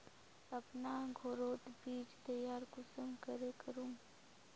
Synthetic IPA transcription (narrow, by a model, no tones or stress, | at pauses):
ɐpnaːɡʱoːɾoːt̪biːt͡ʃt̪əjaːɾkʊsəmkəɾekəɾũː